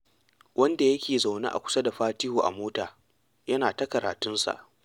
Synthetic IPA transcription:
wʔɐ˦nda˨jɐ˦kʲeː˨za˨wna̰˦ʔa̰˨kʷʊ̥˦sɐ˦da˨ɸaː˦tɪ˦huː˨ʔa̰˨moː˦taː˨ | jɐ˦naː˨ta˦kɐ˨ɾaː˨tʊ˦nsa̰˨ʔ

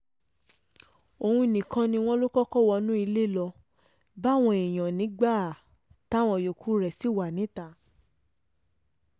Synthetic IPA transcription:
o˧hũ˧˨nĩ˨kã˧nĩ˧w̃ɔ̃˦lo˦kɔ˦kɔ˦˨wɔ˧nũ˦i˧le˦˨lɔ˧ | ba˦˨w̃ɔ̃˧e˨j̃ã˨nĩ˨˦ɡ͡ba˦˨ | ta˦˨w̃ɔ̃˧˨jo˨kʰu˨˦ɾɛ˨si˦˨wa˨nĩ˨˦ta˦˨

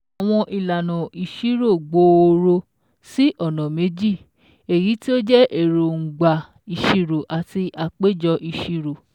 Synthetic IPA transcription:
a˨w̃ɔ̃˧ʔi˨la˨nɔ̃˨i˨ʃi˨˦ɾo˦˨ɡ͡bo˧o˧ɾo˧ | si˦ʔɔ˦˨nɔ̃˨me˨˦d͡ʒi˦˨ | e˨ji˨˦ti˦o˦d͡ʒɛ˦ʔe˦˨ɾo˨ŋ̩˨ɡ͡ba˨ | i˧˨ʃi˧ɾo˨ʔa˨ti˧ʔa˧k͡pe˦d͡ʒɔ˧ʔi˧ʃi˧ɾo˨

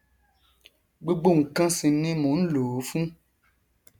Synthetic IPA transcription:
ɡ͡bo˦ɡ͡bo˦˨ŋ̩˨kã˦sĩ˧nĩ˦mũ˨˦n̩˦lo˨˦fũ˦

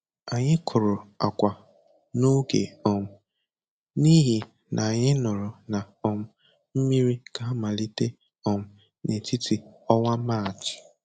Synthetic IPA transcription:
a˨ɲɪ˦kʰʊ˨ɾʊ˨a˨kʷa˨ | no˦ɡḛ˨ɔ˨m̩˨ | ni˦ɦi˨ | nʔa˨a˨ɲɪ˦nʊ˨ɾʊ˨na˨ | ɔ˨m̩˦ | m̩˦mi˦ɾi˦ka˨a˦ma˨li˦te˦ | ɔ˨m̩˨ | ne˨ti˦ti˨ɔ˦wa˦ma˦˨t͡ʃɪ̥˨

